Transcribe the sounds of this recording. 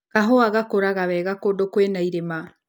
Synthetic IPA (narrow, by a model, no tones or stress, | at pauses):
kaɦoaɣakoɾaɣaβɛɣakodokwenaiɾema